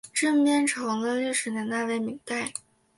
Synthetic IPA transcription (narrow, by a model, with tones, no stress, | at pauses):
ʈ͡ʂə˥˧npjɛ˥nʈ͡ʂʰɤ˧˥ŋlə˧li˥˩ʂɻ̩˧˥njɛ˧˥nt̪a˥˩we˧˥˩ɪmi˧˥ŋpa˥˩ɪ